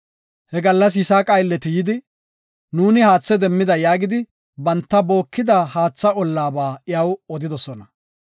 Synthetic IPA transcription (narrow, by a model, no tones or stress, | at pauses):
hɛɡɐlːɐs̬jɪsaːkʼɐjlːɛt̪ɪjɪd̪ɪ | nuːnɪhaːt͡sːɛd̪ɛmːɪd̪ɐjaːɡɪd̪ɪ | bɐnt̪ːɐbo̞ːkːɪd̪ɐhaːt͡sːɐɔlːaːbaːɪjɐwɔd̪ɪd̪ɔsɔnɐ